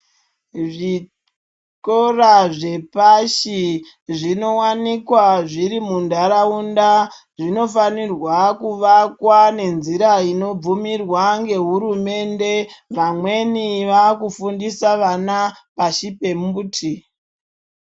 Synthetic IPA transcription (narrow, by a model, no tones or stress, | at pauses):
ʐi | koraʐe̞paʃi | ʐino̞wanikwaʐiɾimundaɾaunda | ʐino̞fanirwakuʋakwane̞nziɾaino̞b͡vumirwaŋɡe̞ɦuɾume̞nde̞ʋamwe̞niʋakufundisaʋanapaʃipembutʰi